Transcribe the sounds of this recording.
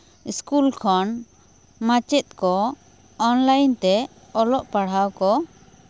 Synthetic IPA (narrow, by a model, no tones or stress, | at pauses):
iskulkʰɔn | mat͡ʃɛt̪̚kɔ | ɔnlajnt̪ɛ | ɔlɔʔpaɽ̤awkɔ